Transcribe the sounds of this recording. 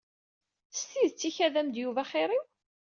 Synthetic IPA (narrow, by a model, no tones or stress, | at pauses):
st̪iðt͡sːiçæðæmd̪juvæχeɾˤiw